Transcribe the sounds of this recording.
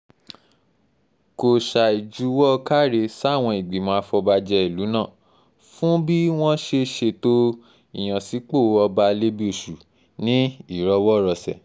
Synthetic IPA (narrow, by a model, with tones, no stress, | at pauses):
ko˨ʃa˨i˨d͡ʒu˨˦wɔ˦˧ka˦˨ɾe˧sa˦˨w̃ɔ̃˧i˨ɡ͡bi˨mɔ̃˨˧a˧fɔ˧ba˧d͡ʒɛ˧i˨lu˨˦nã˦˨ | fũ˦bi˦w̃ɔ̃˦ʃe˧ʃe˧to˦ | i˦˨j̃ã˨si˨˦k͡po˦˨˦ɔ˧ba˧le˦bi˦o˨ʃu˨ | nĩ˦i˦˨ɾɔ˧˦wɔ˦˨ɾɔ˧sɛ̰˨